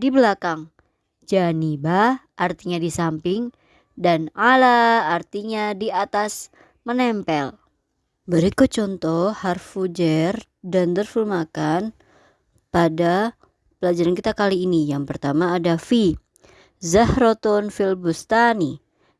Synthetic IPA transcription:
dibəlakaŋ | d͡ʒanibaʔart̪iɲadisampɪŋ | danalaːrt̪iɲadiat̪as | mənɛmpɛl | bəɾikut͡ʃɔnt̪ɔharfud͡ʒɛr | dant̪ərfilmakan | pada | pəlad͡ʒaɾankit̪akaliːnijaŋpərt̪amaːdafi | zahɾot̪ɔnfilbust̪ani

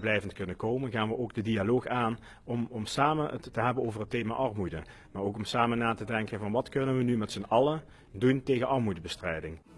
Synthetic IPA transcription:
blɛjvəntkɵnəkowmənɣaːnʋəʔoːɡdədialoːxaːn | ɔmɔmsaːmənttəɦɛbənowvərɦətːejma̰ːʔɑrmudə | maːɹowkɔmsaːmənaːtədɛŋkənvɑnʋɑtkɵnənʋənymɛtsənɑlˠə | duntejɣənʔɑɹmudəbəstrɛjdɪŋ

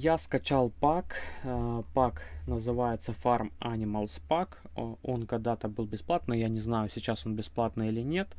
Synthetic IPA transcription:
jaskɐt͡ɕalˠpak | paknəzɨvajɪt̪səfarmanʲɪməlˠspak | o̞nkɐɡ̚d̪at̪əbɨlˠbʲɪsplˠat̪nɨjanʲɪznajʊsʲɪt͡ɕaso̞nbʲɪsplˠat̪nɨilʲɪnʲe̞t̪

